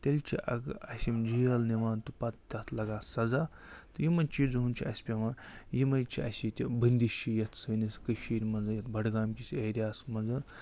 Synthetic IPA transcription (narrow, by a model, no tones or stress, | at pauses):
t̪ʲelʲt͡ʃʰiʔɐ̰ɡɐsʲimd͡ʒijɐlniʋaːnt̪upɐt̪̚t̪ʲɐt̪ʰlɐɡaːsɐza | t̪ɨjimɐnʲt͡ʃiːd͡zɦunʲt͡ʃʰiɐsʲpʲɐmɐjimɐjt͡ʃʰiɐsʲit̪ʲibənʲd̪iʃijɐt̪ʰsɨːniskəʃiːɾʲmɐnd͡zɐjɐt̪bɐɽɡaːmkʲisʲɐɾʲjaːsmɐnzɐn